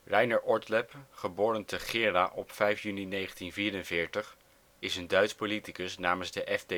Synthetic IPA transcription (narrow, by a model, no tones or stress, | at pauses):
rɛjnəɹʔɔɹtlɛpχəboːɾəntəχɪːraʔɔpfɛjfjyninejχəntinviːɾənvɪːɹtəχ | ɪsəndœɥtspolitikəsnaːmənzdəʔɛvde